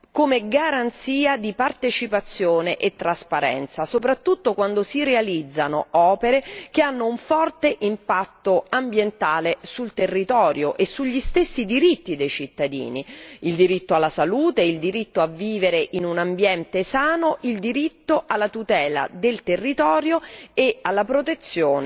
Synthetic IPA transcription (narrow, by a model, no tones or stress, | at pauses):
komeɡaɾant̪siːad̪ipart̪et͡ʃipat̪sːjoːneʔet̪ːɾaspaɾɛ̰nt̪sasopɾat̪ːut̪ːokwand̪osiɾealid̪zːanoɔːpeɾekeanːouɱfɔrt̪eʔimpat̪ːoambjent̪aːlesult̪erːit̪ɔːɾjoʔesːuʎːist̪esːid̪iɾit̪ːid̪ejt͡ʃit̪ːad̪ḭːniild̪iɾit̪ːoalːasaluːt̪eild̪iɾit̪ːoaviːveɾeʔinunambjɛnt̪esaːnoʔild̪iɾit̪ːoʔalːat̪ut̪ɛːla̰d̪elt̪erːit̪ɔːɾjoealːapɾot̪et̪sːjoːn